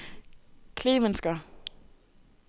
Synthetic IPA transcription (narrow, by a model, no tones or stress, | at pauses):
kʰle̝ːmensɡ̥ɐ